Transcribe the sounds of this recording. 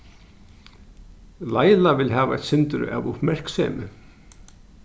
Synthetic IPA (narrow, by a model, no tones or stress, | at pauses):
laːjlavɪlɦaːvaɛjt̪sɪnt̪ʏɾʏ̰ʔa̰vʊpmɛr̥ksɛ̰ːmɪ